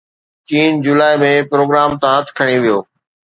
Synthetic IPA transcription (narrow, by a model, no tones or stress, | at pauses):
t͡ɕiːnd͡ʑuːlaːɪmẽpɾoːɡɾaːmt̪ãət̪ʰkʰɐɽ̃iʋijoː